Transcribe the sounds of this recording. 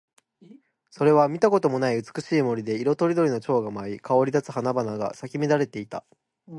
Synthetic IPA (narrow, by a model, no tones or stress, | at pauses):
so̞ɾe̞βamʲit̪ako̞t̪o̞mo̞naiɯ̟t͡sɨ̥kɯ̟̥ɕiːmo̞ɾʲid̪e̞iɾo̞t̪o̞ɾʲid̪o̞ɾʲino̞t͡ɕo̞ːɡamaikʰao̞ɾʲid̪at͡sɨ̥hanabanaɡa̰sakʲimʲid̪aɾe̞t̪e̞it̪a̰